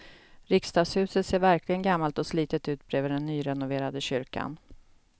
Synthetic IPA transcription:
ɾɪkst̪ɑːɡshʉ̟ːsət̪seːɾvæɾklɪɡənɡamːalt̪ɔsliːt̪ət̪ʉ̟ːt̪̚bɾeːvəɖɛnːyːɾɛnʊveːɾad̪əɕʏɾka̰n

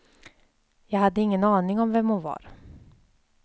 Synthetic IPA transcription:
jɑːɡhad̪ːəɪŋːənɑːnɪŋɔmvɛmːoːvɑ̰ːɾ

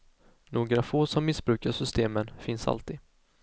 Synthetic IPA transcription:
noːɡɾavfoːsɔmːɪsbɾʉ̟ːkaʂʏst̪eːmənfɪnsa̰lt̪ɪ

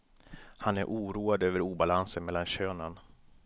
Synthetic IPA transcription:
hanæɾʔuːɾuːad̪øːvəɾuːbalansənmɛlːanɕøːnan

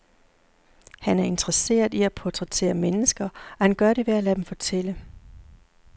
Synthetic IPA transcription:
hænæɐe̝nd̥ʁəse̝̰ːɐðˠiæpʰɒt͡sʰʁɛt͡sʰe̝̰ːɐmenəsɡ̥ɐɒ̽hænɡ̥ɶɐɾe̝ʋe̝ælæd̥emfɒ̽t͡sʰel̰ə

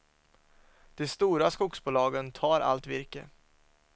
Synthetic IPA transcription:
d̪̥ɛst̪uːɾaskʊksbuːlɑːɡənt̪ʰɑːɾa̰lt̪vɪɾkə

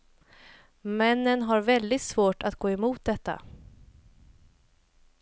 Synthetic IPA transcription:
mɛnːənɦaɾvɛld̪ɪt̪svoːʈat̪̚ɡoːɛmuːt̪̚d̪ɛt̪ʰːa̰

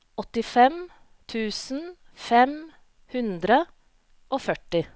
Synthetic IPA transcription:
ɔt̪ɪfɛm | t̪ʰʉːsn̩ | fɛm | hʉnd̪ɾə | ʔoːfœʈɪ

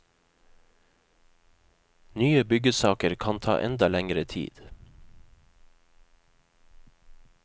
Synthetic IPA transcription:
nyːəbʏɡəsɑːkəɾkʰɑnt̪ʰɑ̰ːʔɛnd̪ɑlæŋɾət̪ʰḭːd̪̥

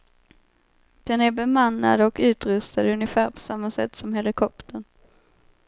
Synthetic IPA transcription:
d̪̥ɛnæɾbɛmanːa̰d̪ɔkʉ̟ːt̪ɾɵst̪ad̪ɵnjəfæːɾpʰɔ̥samːasɛt̪ːsɔmɦɛlɪkʰɔpt̪əɳ

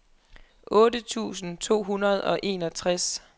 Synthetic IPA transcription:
ʔɔ̽ːdət͡sʰṵːsn̩t͡sʰo̝̰ːɦunɐð̞̩ˠɒ̽ʔe̝ːnɒ̽t͡sʰʁas

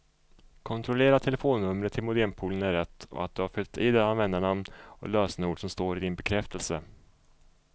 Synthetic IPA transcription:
kʰɔnt̪ʰɾɔleːɾat̪ʰɛləfoːnːɵmɾət̪ʰɪlmʊd̪ɛnpʰuːlənæɾɛt̪ːɔ̰a̰t̪̚d̪ɵhaɾfʏlt̪id̪ɛanvɛnd̪əɳamɔ̰løːsnəuːɖʂɔmst̪oːɾɪd̪ɪnbɛkʰɾɛft̪əlsə

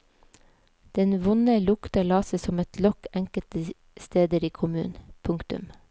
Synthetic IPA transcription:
d̪̥ɛnʋʊnəlʊkt̪ɑlɑːsəsɔmɛt̪lɔkæŋkət̪ə | st̪eːd̪əɾiːkʰʊmʉ̰ːnpʰʊŋkt̪ʉ̰m

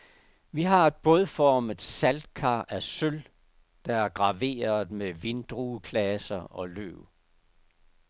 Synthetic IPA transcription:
ʋiɦɑ̈e̝d̥̚b̥ɔðˠfɒːməð̥ˠsæld̥̚kʰɑ̰̈ːʔæsøl | d̥ɑ̈æɐɡ̥ʁɑ̈ʋe̝̰ːɐð̩ˠmeʋend̥ʁuːkʰlæsɐɒ̽lø̰ʊ̰

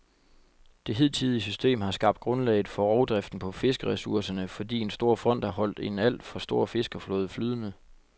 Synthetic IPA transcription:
d̥e̝ɦið̞̰ˠt͡sʰiðˠiəsysd̥e̝̰ːmhɑ̈sɡ̥ɑ̈b̥̚d̥̚ɡ̥ʁɔ̽nlɛ̰ɪð̩ˠfɒ̽ʁɒʊd̥ʁɛfd̥n̩pʰɒ̽fe̝sɡ̥əʁɛsuɐsɐnəfɒ̽d̥ḭːe̝nsd̥o̝ɐ̰fʁɒ̽n̰d̥æɦɒ̽l̰d̥e̝næl̰d̥fɒ̽sd̥o̝ɐ̰fe̝sɡ̥ɐflɔ̽ːðˠflyːðˠənə

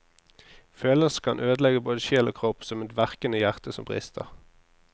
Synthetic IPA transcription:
føːləskʰɑnʔøːd̪lɛɡəboːd̪əʃeːlo̰ːkʰʁɔpsɔmɛt̪ʋæʁkənəjæʁt̪əsɔ̰mbʁḭːst̪ʰə̰ʁ

